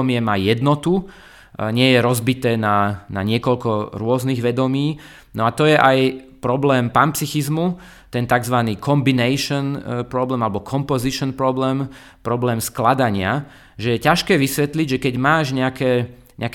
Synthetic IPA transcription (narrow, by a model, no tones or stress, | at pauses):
mɪɛmajɛd̪nɔt̪u | ɲɪɛjɛɾɔzbit̪ɛːnana̰ɲɪɛkɔʎkɔɾʊɔzniːɣʋɛd̪ɔmiː | nɔat̪ɔjɛʔajpɾɔblɛːmpampt͡sixizmu | t̪ɛnt̪aɡzʋaniːkʰɔmbinɛjʃɔnpɾɔblɛːmalɛbɔkʰɔmpɔziʃɔnpɾɔblɛːm | pɾɔblɛːmsklad̪aɲɪa | ʒɛjɛcaʃkɛːʋisʋɛt̪liɟʒɛkɛɟmaːʒɲɛakɛː | ɲ̰ak